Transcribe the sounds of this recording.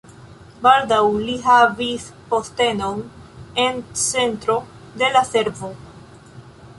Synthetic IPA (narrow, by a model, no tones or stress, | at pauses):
baldawliɦavispo̞ste̞no̞ne̞nt͡se̞ntɾo̞ | de̞lase̞ɾvo̞